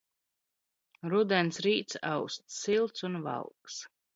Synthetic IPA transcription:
ɾud̪ɛnsɾiːt̪sa̰wst̪silˠt̪sunva̰lˠks

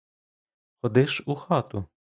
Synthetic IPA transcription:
xɔd̪ɪʃuxɑt̪ʊ

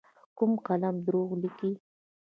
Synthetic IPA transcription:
kʊmqɑlamd̪ɾoːχlɪki

